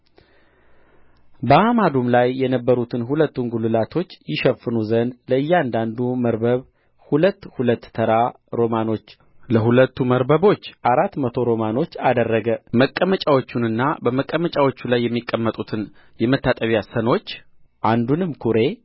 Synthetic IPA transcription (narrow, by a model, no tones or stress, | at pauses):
bəamad̪umlajːɛnəbːəɾut̪ʰɨnɦulət̪ːunɡulɨlat̪ʰo̞t͡ʃːjɪʃəfːɨnuzənd̪ləɨjːand̪and̪uməɾbəβ | hulət̪ːhulət̪ːʰəɾa | ɾo̞mano̞t͡ʃː | ləɦulət̪ːuməɾbəβo̞t͡ʃːʔaɾat̪ːmət̪ʰo̞ɾo̞mano̞t͡ʃːad̪ərːəɡəməkʼːəmət͡ʃʼawo̞t͡ʃːunɨnːabəməkʼːəmət͡ʃʼawo̞t͡ʃːulajːɛmːikʼːəmːət̪ʼut̪ʰɨn | jɛmət̪ʰːat̪ʼəβjasəno̞t͡ʃː | ʔand̪unɨmkʰuɾe̞